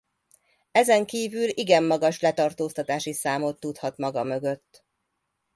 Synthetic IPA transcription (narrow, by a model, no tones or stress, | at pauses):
ɛzɛŋkiːvyliɡɛmːɒɡɒʃlɛt̪ɒrt̪oːst̪ɒt̪aːʃisaːmo̞t̪ːut̪hɒt̪mɒɡɒmø̞ɡø̞t̪ː